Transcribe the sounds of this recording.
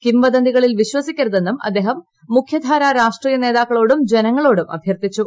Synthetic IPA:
kimʋɐd̪ɐnd̪iɣɐɭilʋiɕwɐsikʲːɐɾɐðe̞nːumɐ̰d̪ːeːɦɐmː | ukʰjɐd̪ʱaːɾaːɾaːʂʈriːjɐne̞ːðaːkːɐɭoːɽumd͡ʑe̞nɐŋːɐɭo̞ːɽumɐ̰bʱjɐrt̪it͡ɕːu

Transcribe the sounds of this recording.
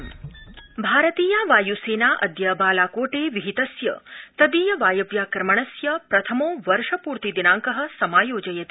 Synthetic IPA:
bʱaːɾɐt̪iːjaʋaːjuseːnaːʔɐd̪jaːbaːlaːkoːʈeːʋiɦit̪ɐsjɐ̰t̪ɐd̪iːjɐʋaːjɐʋjaːkɾmɐɳ̃ɐsjɐpɾɐt̪ʰɐmoːʋɐɾʂɐpuːɾt̪id̪inaːŋkɐɦɐ̆sɐmaːjoːd͡ʒɐjɐt̪i

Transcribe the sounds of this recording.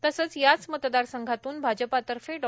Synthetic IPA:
t̪əsəːt͡sjat͡smət̪d̪aɾsəŋɡʱat̪uːnbʱad͡ʑəpat̪əɾfeɖ

